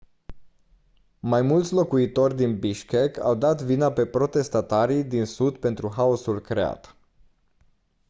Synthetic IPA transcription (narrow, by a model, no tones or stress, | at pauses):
majmult̪sʲlo̞kuit̪o̞rʲd̪inbiʃkekʰa̰wd̪at̪vinape̞pɾo̞t̪e̞st̪at̪aɾid̪insud̪pe̞nt̪ɾuɦaosulkɾe̞a̰t̪